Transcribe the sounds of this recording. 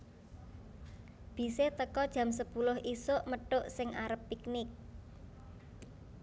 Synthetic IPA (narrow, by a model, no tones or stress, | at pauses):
b̥i̤set̪əkɔd̥ʒ̥a̤ms̬əpulʊhisʊʔməʈʊʔsɪŋʔaɾəpːiknɪk̚